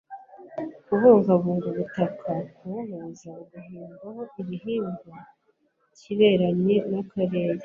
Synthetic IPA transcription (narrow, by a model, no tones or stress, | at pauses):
kuvuːŋɡaβuːŋɡuβutakʰakuumuzaɡuɦiːmɡaɦo̞ʔiβiɦiːmɡo | ciβe̞ːɾaɲɲe̞nakʰaɾe̞ːɾe